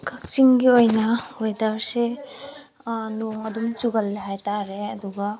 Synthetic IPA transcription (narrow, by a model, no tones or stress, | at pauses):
kʰɐk̚t͡ʃiŋɡiojnɐojdaɾse | noŋɐd̪umt͡ʃuɡɐlːeɦajtaɾeɐd̪uɡa